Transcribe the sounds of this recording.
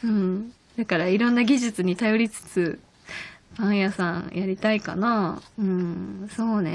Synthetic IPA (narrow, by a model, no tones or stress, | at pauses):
ɯ̟̃ɴ | d̪akaɾaiɾõ̞nːaɡʲiʑɨt͡sɨɲ̟it̪ajo̞ɾʲit͡sɨ̥t͡sɨ | b̥ãɰ̃jasãɰ̃jaɾʲit̪aika̰naɯ̟̃ɴso̞ːne̞̰